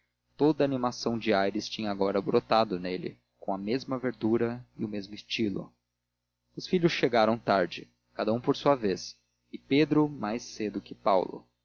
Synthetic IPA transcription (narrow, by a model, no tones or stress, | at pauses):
t̪od̪ɐaːnimasɐ̃w̃d͡ʒɪajɾɪst͡ʃĩɲɐaɡɔɾɐbɾot̪ad̪ʊnelɪ̰ | kõɐmezmɐveɾd̪uɾɐɪʊmezmʊist͡ʃilʊ̰ | ʊsfiʎʊsʃeɡaɾɐ̃w̃t̪aɾd͡ʒɪ | kad̪ɐũpoɾsuɐves | ɪped̪ɾʊmajsed̪ʊkɪpawlʊ̰